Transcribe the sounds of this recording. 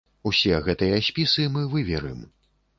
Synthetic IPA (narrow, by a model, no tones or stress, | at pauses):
usʲɛɣɛt̪ɐjɐsʲpʲisɨmɨvɨvʲɛɾɨm